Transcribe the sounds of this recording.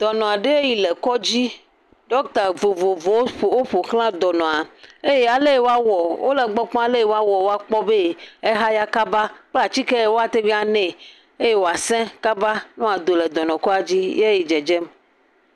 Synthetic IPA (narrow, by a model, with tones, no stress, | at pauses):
d̪̥ɔ˨nɔ̃˨a˨ɖe˦ji˨le˨kɔ˦d͡ʑi˦ | ɖɔ˦kt̪a˨vo˨vo˨vɔ˨wwo˦ɸo˨klã˦d̪ɔ˨nɔ̃˨a˨e˦je˦a˨le˦e˦wo˦a˦wɔ˨wo˦le˨ɡ͡bɔ˦k͡pɔ̃˦a˨le˦jwo˦a˦wɔ˨wo˦a˦k͡pɔ˦be˦e˦ɦa˦ja˦ka˦ba˦k͡pla˨t͡ɕi˦kɛ˦e˦wo˦a˨t̪e˦vi˦a˨nɛ̃˦˨ | e˦je˦wo˨a˨sɛ̃˦ka˦ba˦nɔ̃˦a˨d̪o˨le˨d̪ɔ˨nɔ̃˨kɔ˦a˨d͡ʑi˦je˦ji˨d͡ʒɛ˨d͡ʒɛ˦m